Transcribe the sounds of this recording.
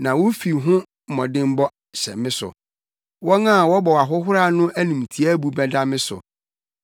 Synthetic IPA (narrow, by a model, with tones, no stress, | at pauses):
nã˨wo˦fi˨ɦʊ̃˦˨ | mɔ̃˨dɪ̃˦m̩˦bɔ˦ | sɛ̰˨mɪ̃˦sʊ̰˨ | wɔ˦nã˦˨wɔ˦bɔ˨wa˨ɦʊ˦ɦʊ˦ɾa˦˨nʊ̃˦ʔæ˦nĩ˨m˨tʰi˨æ˦bu˨bɛ˦da˦mɪ̃˦sʊ̰˨